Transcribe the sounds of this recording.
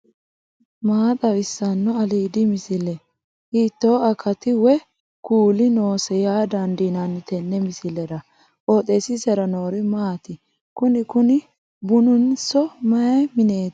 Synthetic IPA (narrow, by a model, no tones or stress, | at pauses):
maːt̪ʼɐwɪsːɐnːɔɐliːd̪ɪmɪsɪlɛ | hiːt̪ːoːɐkʰɐt̪ɪwɛ | kuːlɪnoːsɛjaːd̪ɐnd̪inɐnːɪt̪ɛnːɛmɪsɪlɛɾɐ | ʔoːt̪ʼesɪsɛɾɐno̞ːɾɪmaːt̪ɪ | kʊnɪkʊnɪ | bʊnʊnsɔmɐjɛmɪne̞ːt̪